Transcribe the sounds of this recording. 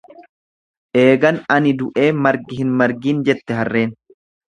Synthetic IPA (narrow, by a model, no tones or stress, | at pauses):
ʔe̞ːɡɐnɐnɪd̪ʊʔe̞ːmɐɾɡɪhɪnmɐɾɡiːnd͡ʒɛt̪ːɛɦɐrːe̞ːn